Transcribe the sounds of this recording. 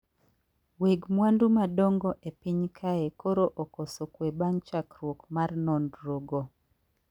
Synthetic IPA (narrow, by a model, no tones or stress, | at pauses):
weɡmwandumadɔŋɡɔʔepɪɲkʰaekoɾoʔɔkosokwebaŋt͡ʃakɾwokmarnɔndɾoɡo